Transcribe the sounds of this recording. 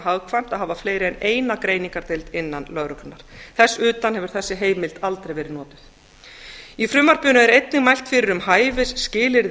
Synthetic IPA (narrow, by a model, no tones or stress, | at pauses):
ɦawkʰvajm̥t̪aðhɦavafleːjɾɪɛneːjnakɾejniŋkaɾ̥t̪ɪlt̪ɪnːanlœɣɾʏklʏnːaɾ̥θɛsːʏːt̪anhɛvʏɾ̥θɛsːɪɦeːjmɪlt̪alt̪ɾejvɛːɾɪðnɔːt̪ɪ̥θ | ifɾʏmaɾ̥pʏːnʏɛɾejt̪nɪɣmajl̥t̪fɪɾɪɾʏmɦaːjvɪsːcɪːlɪɾð